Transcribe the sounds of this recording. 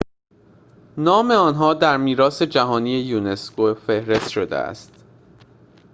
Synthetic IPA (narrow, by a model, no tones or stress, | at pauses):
nɒːme̞ɒːnɦɒːd̪æɾmiːɾɒːse̞d͡ʒæɦɒːniːje̞juːne̞skofe̞hɾe̞st̪ʃo̞d̪ḛæ̰st̪